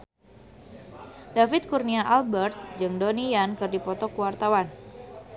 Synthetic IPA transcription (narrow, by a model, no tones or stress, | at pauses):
dafɪt̪̚kurniaʔalbɛrt̪̚d͡ʒɨŋdoniankɨrdipɔt̪ɔkəwart̪awan